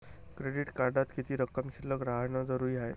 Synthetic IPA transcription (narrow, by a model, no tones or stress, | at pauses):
kɾeɽiʈkaɾɖat̪kit̪ʰiːɾəkːəmɕiləkɾaɦjɳəd͡zəɾuːjaɦe